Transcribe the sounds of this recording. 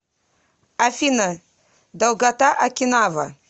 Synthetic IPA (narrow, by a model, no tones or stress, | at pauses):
afina | d̪awɡat̪aʔakʲinava̰